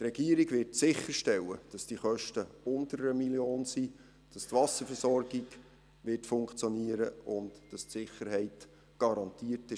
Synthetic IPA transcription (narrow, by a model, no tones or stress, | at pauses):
trɛɡiəɾiɡʋɪrtsɪχːəɾʃtɛlːəd̥ɑsd̥iχœʃtəʊntəɾəɾəmiljoːnsi | d̥ɑstvɑsəɾfɛɾsɔrɡɪɡ | ʋɪtfʊŋkt͡sjɔniəɾəʊntd̥ɑstsɪχːəɾhɛɪt | ɡ̥ɑɾɑntiːətɪ